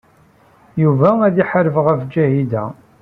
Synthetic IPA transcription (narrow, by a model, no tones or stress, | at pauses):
juvææðiħɾəfʁəfd͡ʒæhid̪æ̰